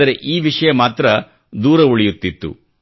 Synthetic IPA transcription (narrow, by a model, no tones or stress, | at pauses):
ɐɾe̞ʔiːʋiʂɐjɐmaːt̪ɾɐ | d̪uːɾɐuɭijut̪ːit̪ːṵ